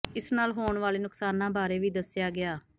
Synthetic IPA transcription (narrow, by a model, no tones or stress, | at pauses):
ɪsnaːlɦoːɳʋaːleːnʊksaːnːãːbaːɾeːʋiːd̪əsːjaːɡɪaː